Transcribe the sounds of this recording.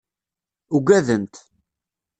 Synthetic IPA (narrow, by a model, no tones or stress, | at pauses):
uɡʷæðənt̪